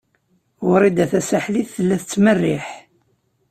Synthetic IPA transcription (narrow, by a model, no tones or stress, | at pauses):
ʊɾˤid̪æθæsaħliθθəlːæθət͡sːmərːiħ